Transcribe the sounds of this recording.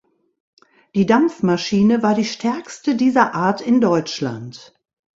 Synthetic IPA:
d̥iːdamp͡fmaʃiːnəvaːɐdiːʃtʰɛɐkstədiːzɐʔaːɐtɪndɔʏt͡ʃla̰nt

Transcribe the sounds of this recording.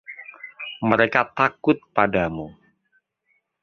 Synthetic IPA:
məɾekat̪akʊt̪̚padamu

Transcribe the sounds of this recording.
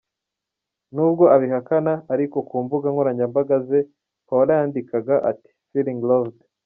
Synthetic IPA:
nubɡo̞ʔaβiɦakanaːɾiko̞kuːmbuɡaŋoɾaɲɟambaɡaze̞ | kawaɾajaːndikaɡaʔa̰ti̥filiŋɡlovd

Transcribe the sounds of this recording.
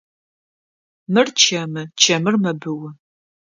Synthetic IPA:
mɨrt͡ʃʰɐmɨt͡ʃʰɐmɨrmɐbɨwʊ

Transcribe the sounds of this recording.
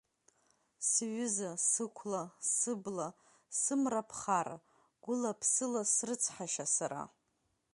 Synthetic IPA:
sɥʏzasɨkʷʰlasɨbla | sɨmrapʰχara̰ | ɡ̥ʷʊlapʰsɨlasrɨt͡sʰħaʃasaɾa̰

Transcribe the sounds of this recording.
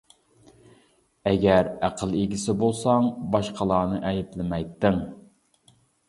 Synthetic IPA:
ɛɡʲæɾæqʰəlˠeɡʲisɪbolˠsɑŋbɑʃqʰəlˠɑːnɨʔɛjɪplɪmɛjt̪ːɪŋ

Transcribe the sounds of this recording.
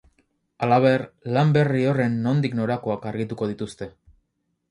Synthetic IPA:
alaβ̞e̞rlambe̞rio̞re̞nːo̞nd̪ikno̞ɾako̞akaɾɣit̪uko̞ð̞it̪ust̪e̞

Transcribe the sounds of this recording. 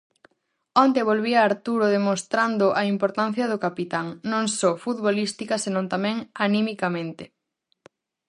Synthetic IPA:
ont̪eβ̞olβiaːɾt̪uɾoðemõst̪ɾand̪ʊʔaimpoɾt̪ãnθjɐð̞ʊkapit̪aŋnõŋsɔfut̪βolist̪ikɐsenõnt̪amɛ̃ŋanimikamẽnt̪ɪ

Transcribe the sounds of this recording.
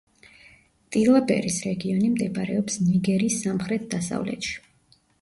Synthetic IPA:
t̪ʼilˠabɛ̰ɾisɾɛɡiɔnimd̪ɛbaɾɛɔpsniɡɛɾiːsːamχɾɛt̪̚d̪asa̰vlɛ̰t̪ʃi̥

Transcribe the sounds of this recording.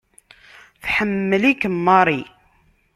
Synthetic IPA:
θħəmːəlikəmːɑɾˤi

